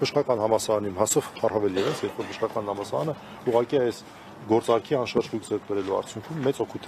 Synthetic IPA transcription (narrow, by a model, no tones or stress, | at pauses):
bəʃkɑkɑnɦɑmɑsɑɾɑnimɦɑsɔvɑrhɑvɛljɛvəsjɛɾpʰɔɾbʰəʃχɑkɑnhɑmɑsɑɾɑnə | uʁɑkiɑɛs | ɡɔɾt͡sɑɾkʰiɑnʃɑɾt͡ʃʁujkʰd͡zɛɾk̚ʰbɛɾɛluɑ̰ɾt͡sʰjuŋkʰumːɛt͡sɔkʰut̪ʰɛ